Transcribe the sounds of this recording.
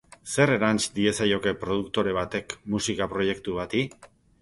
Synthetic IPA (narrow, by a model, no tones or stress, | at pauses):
se̞re̞ɾant͡ʃd̪ie̞sajo̞ke̞pɾo̞ð̞ukt̪o̞ɾe̞β̞at̪e̞kmusikapɾo̞je̞kt̪uβat̪i